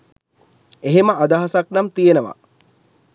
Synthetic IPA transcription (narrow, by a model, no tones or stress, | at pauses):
eɦeməʔad̪aɦasaknamt̪ijenəʋa̰